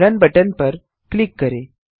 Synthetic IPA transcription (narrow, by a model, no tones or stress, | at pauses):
ɾɐnbɐʈɐnpɐɾ | kɭikːɐɾe